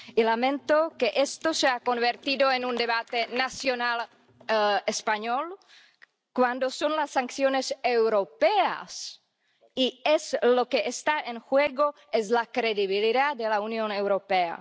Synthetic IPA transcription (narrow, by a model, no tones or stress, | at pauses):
ilamẽnt̪okeʔest̪oseakonβeɾt̪iðoenund̪eβat̪enasjonal | espaɲol | kwand̪osonlasːaŋkθjonesewɾopea̰s | ieslo̞keʔest̪aʔenxweɣo̞ | ezlakɾeðiβiliðad̪elaunjonewɾo̞pea̰